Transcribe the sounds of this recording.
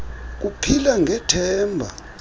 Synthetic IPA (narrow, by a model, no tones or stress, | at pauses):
k̬upʰilaŋʱɛtʰɛːmbʱa̰